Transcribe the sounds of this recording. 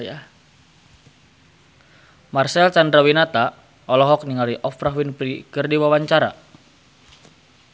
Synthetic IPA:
marsɛlt͡ʃandɾawinat̪a | ɔlɔɦɔk̚niŋaliʔɔfɾaɦwinpɾikɨrdiwawaɲt͡ʃaɾa̰

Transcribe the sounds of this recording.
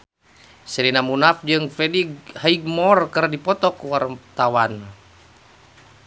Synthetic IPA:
sɛɾinamunafd͡ʒɨŋfɛdihaiɡ̚mɔrkərdipɔt̪ɔkuwart̪awan

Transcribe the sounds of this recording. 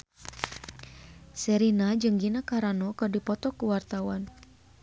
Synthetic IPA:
sɛɾinad͡ʒɨŋɡinakaɾanɔkardipɔt̪ɔkuwart̪awan

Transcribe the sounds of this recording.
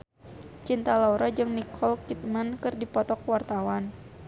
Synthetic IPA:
t͡ʃint̪alauɾad͡ʒɨŋnikʰɔlkit̪̚mankɨrdipɔt̪ɔkwart̪awan

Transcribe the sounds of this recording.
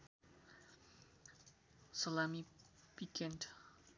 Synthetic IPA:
sɔlamipikʰɛnʈ

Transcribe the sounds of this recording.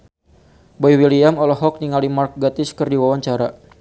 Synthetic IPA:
bɔiwiliamɔlɔɦɔk̚niŋalimark̚ɡat̪ɪskərdiwawaɲt͡ʃaɾa

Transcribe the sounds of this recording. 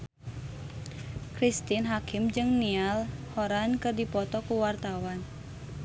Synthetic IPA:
kɾist̪inɦakɪmd͡ʒɨŋnialhɔɾankɨrdipɔt̪ɔkuwart̪awan

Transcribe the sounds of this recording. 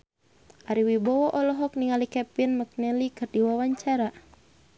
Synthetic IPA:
ʔaɾiwibɔwɔʔɔlɔɦɔk̚niŋalikɛpinmək̚nɛlikɨrdiwawaɲt͡ʃaɾa

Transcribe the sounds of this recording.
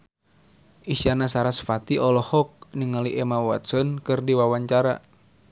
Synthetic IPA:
ʔiʃanasaɾasfat̪iʔɔlɔhɔk̚niŋaliʔɛmawa̰t̪̚sɔnkɨrdiwawaɲt͡ʃaɾa̰

